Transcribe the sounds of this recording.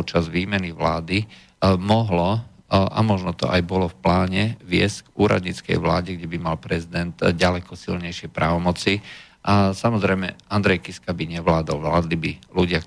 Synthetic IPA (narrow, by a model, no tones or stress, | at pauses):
t͡ʃazʋiːmɛniʋlaːd̪i | mɔɦlɔʔa̰mɔʒnɔt̪ɔ̰ʔajbɔlɔfplaːɲɛʋɪɛscɡuːɾa̰d̪ɲit͡skɛ̰jʋlaːɟɛɡɟɛbimalpɾɛzid̪ɛnd̪ɟalɛkɔsḭlɲɛjʃɪɛpɾaːʋɔmɔt͡si | ʔasamɔzɾɛjmɛand̪ɾɛjkiskabiɲɛʋlaːd̪ɔlʋlaːd̪libiluɟɪa